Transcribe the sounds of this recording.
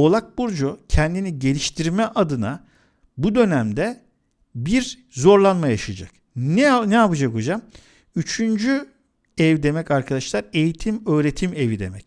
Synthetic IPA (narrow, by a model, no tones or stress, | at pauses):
o̞lˠak̚buɾd͡ʒucʰɛnd̪iniɟe̞lʲiʃt̪ʰiɾmɛʔad̪ɯna | bud̪ø̞næmd̪ɛ | biɾ | zo̞ɾlˠanmajaʃad͡ʒa̰k | nɛapɯd͡ʒakod͡ʒam | yt͡ʃʰynd͡ʒy | ɛvd̪e̞mɛcaɾkʰad̪aʃlˠaɾe̞jit̪ʰimø̞ːɾe̞t̪ʰimevid̪e̞̰mɛc